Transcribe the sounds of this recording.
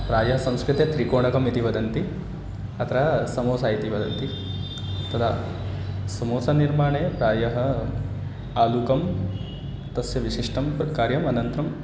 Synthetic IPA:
pɾaːjɐɦɐsɐ̃m̃skɾit̪jet̪ɾikoːɳɐkɐmit̪iʋɐd̪ʱɐnt̪i | ɐt̪ʰɐɾaːsɐmoːsaːit̪iʋɐd̪ʱɐnt̪i | t̪ɐt̪ʰa̰ː | sɐmoːsaniɾmaːɳeːpɾaːjɐɦɐ | aːlukɐm | t̪ɐsjɐʋiʃiʂʈʰɐmkaːɾjɐmɐnɐnt̪ɾɐm

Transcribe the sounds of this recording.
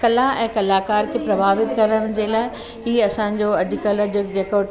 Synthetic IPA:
kɐlaɛ̃ːkɐlaːkaːɾkʰeːpɾɐbʱaːʋɪt̪kɐɾəʋɪn̆d͡ʑelaːɪ | hiːɐsãːɲd͡ʑoɐd͡ʑʊkələd͡ʑʊk̚d͡ʑeːko

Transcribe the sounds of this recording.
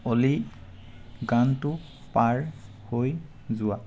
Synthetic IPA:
oli | ɡantʊ | paɹ | hoj | zʊa

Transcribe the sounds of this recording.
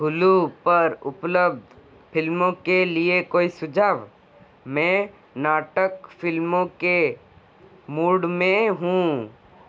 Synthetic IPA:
ɡʱʊlupɐɾʊpləbd̪ | pʰɪlmõkeliekoːisʊd͡ʒaːʋ | mɛ̃ː | naːʈəkfʰɪlmõke | muːɽmẽɦũ

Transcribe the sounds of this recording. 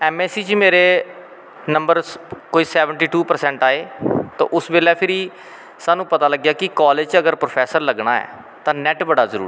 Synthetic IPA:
ɛːmɛːsiːt͡ʃmeːɾeː | nəmbəɾkoːiːsɛːʋəɳʈiːʈuːpəɾsɛ̃ːɳʈaːeːt̪õ̰ːʔʊsbeːlɛːpʰɪɾiː | saːnũːpət̪aːləɡjaːkɪkaːled͡ʒt͡ʃəɡəɾpɾoːpʰɛːsəɾləɡɳaːɛ̰ː | t̪ãːnɛʈbəɽaːzəɾṵːɾ

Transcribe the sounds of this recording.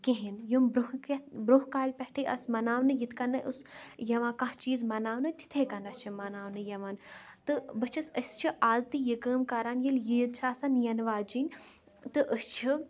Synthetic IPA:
kẽɦinjumbɾuɦkɐbɾuɦkaːlʲpɛhʈʰiʔɐ̰smɐnaːwnɨjit̪ʰkɐnːɐʔusjɐʋãːkɐ̃ht͡ʃiːzmɐnaːwnɨt̪i̥t̪ʰekɐnɐst͡ʃʰimɐnaːwnɨjɐʋaːnt̪ɨbɨt͡ʃʰɐsəsʲt͡ʃʰiʔaːzt̪ijikəːmkɐɾanjiljijd̪t͡ʃʰaːsɐnjɐnʋaːd͡ʒinʲ | t̪ɨʔəst͡ʃʰi

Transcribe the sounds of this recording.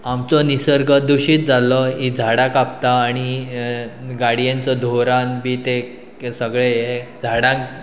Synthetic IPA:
amt͡sɔnisəɾɡʱəd̪uɕiːt̪̚d͡zalɔɦid͡zʱaɽãkap̚t̪aːɽ̃i | ɡaɽijãnt͡sɔd̪ʱoɾãnbʱiːt̪e | səɡɭejed͡zʱaɽãk

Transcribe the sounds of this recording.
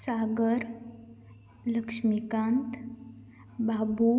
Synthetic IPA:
saɡəɾ | ləkʂmikãːnt̪ | bʱabu

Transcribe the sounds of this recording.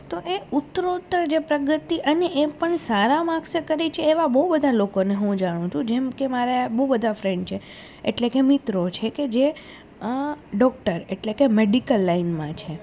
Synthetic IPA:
t̪oʔeʊt̪ːɾot̪ːəɾd͡ʒepɾəɡət̪iʔəneʔepəɳsaɾamãksəkəɾit͡ʃʰeːʋabəɦubəd̪ʱalokoneɦũd͡ʒaɽ̃ũt͡ʃʰũd͡ʒemkemaɾabəɦubəd̪ʱafɾẽɳɖt͡ʃʰe | ḛʈlekemit̪ɾot͡ʃʰeked͡ʒe | ɖɔk̚ʈəɾeʈlekemeɖikəlːainmãt͡ʃʰe

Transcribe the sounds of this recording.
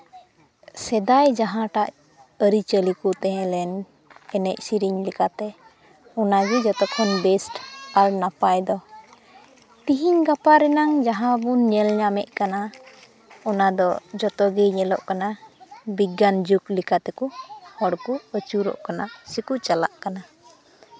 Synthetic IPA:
sɛd̪ajd͡ʒaɦãʈaʔ | əɾit͡ʃəlikut̪ɛɦɛ̃lɛn | ɛnɛc̚siɾiɲlikat̪ɛ | ɔnaɡɛd͡ʒɔt̪ɔkʰɔnbɛsʈalnapajd̪ɔ | t̪iɦiɲɡapaɾɛnaŋd͡ʒaɦãbunɲɛlɲamɛ̰ʔ̚kana | ɔnad̪ɔd͡ʒɔt̪ɔɡɛɲɛlɔʔkanabiɡand͡ʒuklikat̪ɛkuhɔɽkuət͡ʃuɾɔ̰ʔkanasikut͡ʃala̰ʔkana

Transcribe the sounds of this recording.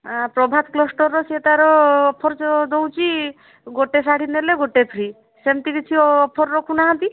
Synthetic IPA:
pɾɔbʱat̪klɔsʈɔɾːɔset̪aɾɔːpʰɔɾt͡ʃɔd̪ow̃t͡ʃʰi | ɡoʈesaɽ̤ineleɡoʈepʰɾi | semt̪ikit͡ʃʰiɔɔpʰɔɾːɔkʰunaɦãnt̪i

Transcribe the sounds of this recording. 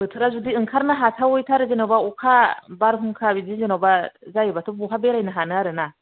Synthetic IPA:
bɯtʰɯɾazudiɯŋkʰaɾnaɦatʰawɔjtʰaɾɯzenawbaɔkʰabaɾɦuŋkʰabizizenawbazajɯbatʰɔbuɦʰabeɾajnɯɦanɯaɾɯna

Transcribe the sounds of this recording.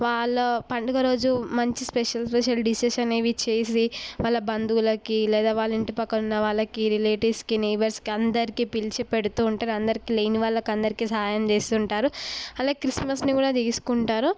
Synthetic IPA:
ʋaːɭːɐpɐɳɖuɡɐɾo̞ːd͡ʒumɐɲt͡ʃispeʂɐlspeʃ̬ɐlɖiseʃɐneːʋit͡ʃe̞ːsiʋaːɭːɐbɐnd̪ulɐkilɛːd̪aːʋaːɭːɐiɳʈipɐkːɐnunːɐʋaːɭːɐkiɾileːʈiskiniʋɐɾskiɐnd̪ɐɾikiːpilt͡ʃipeɽut̪uːɳʈaːɾɐnd̪ɐɾikileːniʋaːɭːɐkɐnd̪ɐɾikiːsɐɦaːjɐmt͡ʃeːst̪uɳʈaːɾuɐlaːɡkɾismɐsnikuːɽaːt̪iɡisu̥kuɳʈaːɾu

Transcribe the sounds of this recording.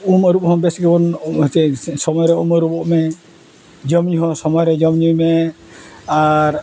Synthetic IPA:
uməɾup̚ɦɔ̃bɛsɡɛbɔnt̪ɛsɔmɔjɾɛuməɾubɔʔmɛ | d͡ʒɔmɲuɦɔ̃sɔmɔjɾɛd͡ʒɔmɲujmɛ | aɾ

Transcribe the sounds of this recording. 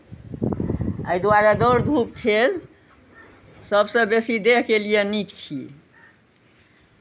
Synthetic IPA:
əjd̪waɾad̪oɾd̪ʱup̚t̪ʰel | səbsə̃besid̪eɦkelijenikt͡ʃʰḭ

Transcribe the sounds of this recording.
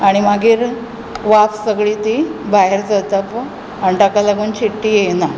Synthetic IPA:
aɽ̃imaɡiːɾ | ʋafsəɡɭiːt̪ibaɦeɾt͡sət̪ap | əɳʈakalaɡuːnt͡ɕiʈːiːjena

